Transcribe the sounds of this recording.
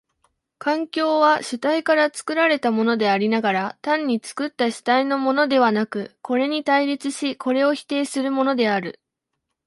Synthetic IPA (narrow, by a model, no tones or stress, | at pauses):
kãŋkʲo̞ːβaɕɨt̪aikaɾat͡sɨ̥kɯ̟ɾaɾe̞t̪amo̞no̞d̪e̞aɾʲinaɡaɾat̪ãɲ̟ːit͡sɨ̥kɯ̟t̪ːaɕɨ̥t̪aino̞mo̞no̞d̪e̞β̞anakɯ̟ko̞ɾe̞ɲ̟it̪aiɾʲit͡sɨɕikʰo̞ɾe̞o̞çi̥t̪e̞ːsɨɾɯ̟mo̞no̞d̪e̞aɾɯ̟̰